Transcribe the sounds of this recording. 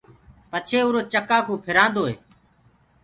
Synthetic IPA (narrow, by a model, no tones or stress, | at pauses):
pət͡ʃʰeːuːɾoːt͡ʃəkaːkũːpʰɪɾãːnd̪oːɦeː